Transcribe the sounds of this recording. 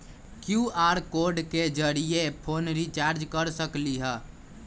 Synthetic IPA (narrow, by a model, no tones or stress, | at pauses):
kjuaɾkoɾɖked͡ʒəɾiepʰonɾit͡ʃaɾd͡ʒkəɾsəkliɦɛ